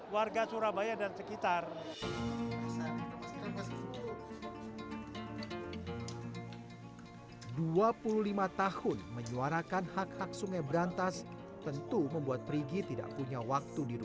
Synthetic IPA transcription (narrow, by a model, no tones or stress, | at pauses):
warɡat͡ʃuɾabajadansəkit̪ar | aa | duapuluhlimat̪ahʊnməɲuaɾakanhakhak̚suŋajbɾant̪as | t̪ənt̪uməmbuat̪̚pɾiɡit̪ida̰ʔpuɲawak̚t̪udiɾu